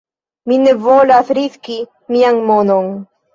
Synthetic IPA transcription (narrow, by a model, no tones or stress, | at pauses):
minevolaθɾiski | miaŋmonon